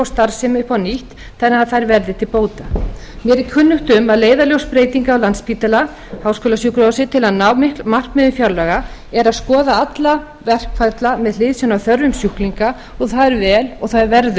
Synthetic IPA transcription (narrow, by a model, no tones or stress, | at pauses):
awst̪aɾ̥sɪmʏhpawniht̪ | θɛnːaðθajɾvɛɾðɪt̪ʰɪlpoːwt̪a | mjɛɾɪkʰʏnːʏkt̪ʏmaðleːjðaljowspɾeːjt̪iŋkaɔwlanspiːt̪ala | hawskɔːlasjukɾɔsɪt̪ʰɪlaðnamar̥k̪mɪðʏmfjawɾlɛɣaɛɾaðskɔːðaat̪la | vɛr̥kfaɾt̪lamɛðlɪðsjɔwnawθœɾvʏmsjuhkliŋka | ɔɣθaðɛɾvɛːlɔɣθaðɛɾvɛɾðʏ